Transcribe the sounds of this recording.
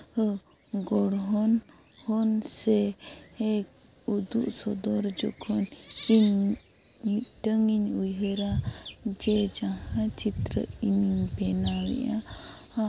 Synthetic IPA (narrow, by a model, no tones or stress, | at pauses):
ɡɔɽɦɔn | hɔnsɛɛ | ud̪uʔsɔd̪ɔɾd͡ʒɔ̰kʰɔnim | mit̪ʈəŋiɲujɦɛɾad͡ʒɛd͡ʒahãt͡ʃit̪ɾə̰iniŋbɛnalḭʔa | a